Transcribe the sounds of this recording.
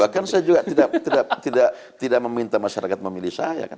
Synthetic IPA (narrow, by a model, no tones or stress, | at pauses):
bahkansajad͡ʒuɡat̪idaʔt̪idaʔt̪idaʔ | t̪idaʔ̚məmint̪amaʃaɾakat̪̚məmilihsaja̰kan